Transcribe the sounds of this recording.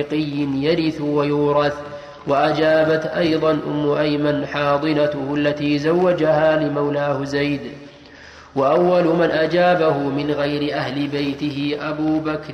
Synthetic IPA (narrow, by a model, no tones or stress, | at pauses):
qɪjːɪnjaɾɪθwajuːɾˤɑθ | waʔad͡ʒaːbat̪ʔajðˤɑnʔʊ̰mːʊʔajmanħɑːd̪ˤɨnat̪ʊhʊalːat̪iːzawːad͡ʒahaːlɪmawlaːhʊzajd̪ | waʔawːalʊmanʔad͡ʒaːbahʊmɪnɣajɾɪʔahlɪbajt̪ɪhɪʔabuːbakɾ